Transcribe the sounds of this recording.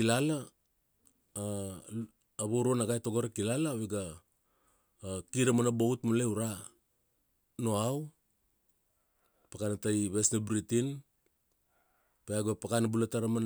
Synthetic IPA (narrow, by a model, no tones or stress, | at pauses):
ilala | βoɾonaɡajtoɡoɾakilalaβeɡa | kiɾamanaboutmaleuɾa | no̞aw | pakanatajβesnabɾitin | peaɡapakanabulataɾaman